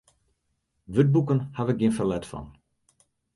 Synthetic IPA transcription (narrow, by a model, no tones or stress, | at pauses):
ʋøt̚bukənhaʋək̚ɡiənfəlɛtfɔ̰n